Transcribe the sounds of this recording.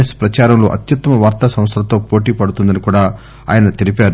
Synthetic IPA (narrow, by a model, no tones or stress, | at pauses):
espɾɐt͡ʃaːɾɐmlo̰ːʔɐ̰t̪jɐt̪ːɐmɐʋaːɾt̪asɐ̃mɐst̪ʰɐlɐt̪oːpoːʈiːpɐɽut̪und̪ɐnikuːɽaː | a̰ːjɐnɐt̪elipaːɾu